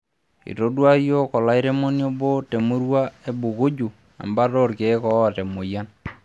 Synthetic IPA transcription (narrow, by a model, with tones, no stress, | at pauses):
ḭ˨to˦dwa˦jo˦kɔ˨la˦i˦ɾe˦mo˦njo˦bo˦te˨mu˦ɾwa˦e˦bu˨ku˦d͡ʒu˨ | a̰˨mba˦ɾo˦rke˨˦kɔ˦˨te˨mo˨ja˦n